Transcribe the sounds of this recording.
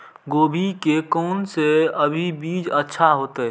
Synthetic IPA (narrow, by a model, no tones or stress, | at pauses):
ɡoːbʱikekɔːnseəbʱibiːd͡ʒətːʃʰaɦoːt̪eɦɛ